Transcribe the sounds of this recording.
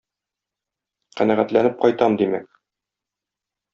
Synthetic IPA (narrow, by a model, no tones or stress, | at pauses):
qænæʁæt̪lænɘp̚qɒjt̪ɑmd̪imæk̚